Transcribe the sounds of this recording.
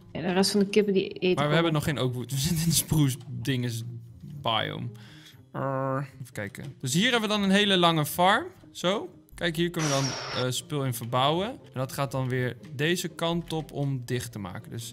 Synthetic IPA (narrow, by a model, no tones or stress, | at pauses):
adərɛstfɑndəkɪpədiemaːɹʋəɦɛbənɔχːejnʔowkvutʋəzɪtɪnəsprusdɪŋəsba̰jɔ̰m | fə̥kɛjkə̰d̥øsɦiːɹɦɛbəʋədɑnənɦejləlɑŋəfɑɹm | z̥ow | kɛjkɦiːɹkɵnəʋədɑnəspɪlˠɪnvəɹbawəʔɛndɑtχaːt̚dɑnʋɪːɹdejzəkɑntɔpʰɔmdɪχtəma̰ːkəndøs